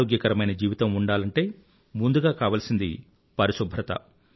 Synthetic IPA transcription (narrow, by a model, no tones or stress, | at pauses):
oːɡjɐkɐɾɐmɐjnɐd͡ʒiːʋit̪ɐmuɳɖaːlɐɳʈe̞ː | mund̪uɡaːkaːʋaːlsind̪ḭ | pɐɾisubʱɾɐt̪ɐ̰